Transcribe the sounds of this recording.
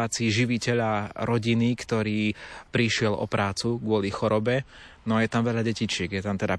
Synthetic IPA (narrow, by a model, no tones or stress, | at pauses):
aːt͡siːʒiʋicɛʎaɾɔɟinikt̪ɔɾiːpɾiʃɪɛlɔ̰pɾaːt͡suɡʊɔlixɔɾɔbɛ | nɔjɛt̪amʋɛʎaɟɛcit͡ʃɪɛɡjɛt̪amt̪ɛd̪a